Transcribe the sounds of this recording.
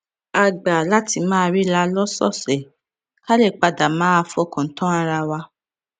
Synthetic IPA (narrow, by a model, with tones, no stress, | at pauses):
a˨ɡ͡ba˨la˦ti˧mãː˦˧ɾi˦la˧lɔ˦sɔ̰˦˨sɛ˨ | ka˦le˦˨k͡pa˧da˨mãː˨˦a˧fɔ˦˨kã˨n̩˨tɔ̃˦a˧ɾa˧wa˧